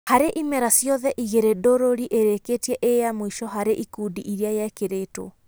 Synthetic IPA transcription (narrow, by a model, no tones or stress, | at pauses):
haɾeʔimɛɾasjɔðɛʔiɣeɾedoɾoɾiʔeɾeketiɛʔejamoiʃɔɦaɾeʔikuːdiʔiɾiajɛkeɾeto̰